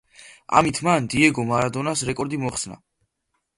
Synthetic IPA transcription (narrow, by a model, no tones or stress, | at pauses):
a̰mit̪ʰmand̪iɛɡɔmaɾad̪ɔnasɾɛkʼɔɾd̪imɔχsna̰